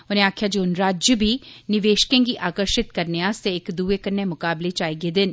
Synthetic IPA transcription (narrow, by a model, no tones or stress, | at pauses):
ʊnẽaːkʰjaːd͡ʒiʊnɾaːd͡ʒjəbʱiːnɪʋeːʃkẽːɡiːʔaːkəɾʃɪt̪kəɾneaːst̪eɪkd̪uːeːkənːeːmʊkaːblet͡ʃaːiɡeːd̪ɪn